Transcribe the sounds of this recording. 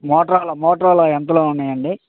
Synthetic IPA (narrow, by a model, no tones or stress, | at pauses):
mɔːʈɾaːlɐmɔːʈɾaːloːɛnt̪ɐloːunːaːjɐɳɖi